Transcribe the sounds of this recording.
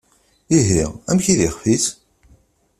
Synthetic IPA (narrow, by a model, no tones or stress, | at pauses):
iɦiʁæ̰mçiðiχfiθ